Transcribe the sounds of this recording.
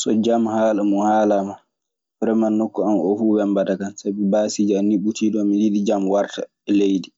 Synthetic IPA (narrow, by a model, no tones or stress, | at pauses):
sɔd͡ʒamhaːlamuhaːlama | pɾɛmanːokːɔamɔfuwɛmbadakansabɛbaːsid͡ʒianːiɓutʰiːdɔmijiɗid͡ʒamwaɾta̰ | ɛlejdi